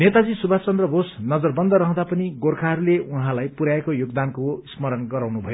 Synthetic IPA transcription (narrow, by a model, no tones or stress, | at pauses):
net̪ad͡zisubʱat͡sʌnd̪rʌbʱosnʌd͡zʌrbʌnd̪ʌɾʌɦə̃d̪apʌniɡorkʰaɦʌɾuleuɦãlajpuɾaekojoɡd̪ankosmʌɾʌnɡʌɾawnubʱʌjo